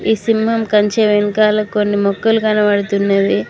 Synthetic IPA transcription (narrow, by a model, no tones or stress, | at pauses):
iːsimɦɐmkɐɲt͡ʃeʋeŋkaːlɐkonːimɔkːɐlukɐnɐʋɐɽut̪unːɐʋi